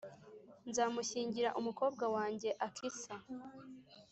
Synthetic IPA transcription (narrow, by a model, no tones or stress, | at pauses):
nzaːmuçiːɲɟiɾaʔumuko̞ːb̚ɡawaːɲɟe̞ʔakʰisa